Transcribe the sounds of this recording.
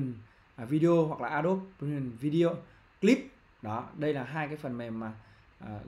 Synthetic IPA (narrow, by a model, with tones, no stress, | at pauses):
nː˨˩ | vi˧ɗe˧ʔo˧ɦwa˨˩k̚laː˨˩ʔaː˧ɗo˦˥p̚ːi˨˩nvi˧ɗi˧ʔo˧ | kli˦˥p̚ | ɗɔ˨˦ɗə˧jlaː˨˩ɦaː˧jkaː˨˦jfə˨˩nmɛ˨˩mmaː˨˩ | ʔəː˨˩